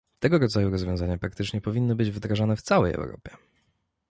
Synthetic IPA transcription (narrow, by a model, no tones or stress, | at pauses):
t̪ɛɡɔɾɔd̪zajuɾɔzvʲjɔ̃w̃zaɲapɾak̚t̪ɘt͡ʂɲɛpɔvʲinːɤbɘd͡ʑvd̪ɾaʐanɛft̪sawɛ̰jɛ̰wɾɔ̰pʲjɛ